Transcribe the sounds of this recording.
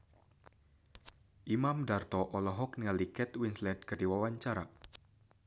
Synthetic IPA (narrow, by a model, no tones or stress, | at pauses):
ʔimamdart̪ɔʔɔlɔɦɔk̚nəŋalikɛt̪winslɛdkərdiwawaɲt͡ʃaɾa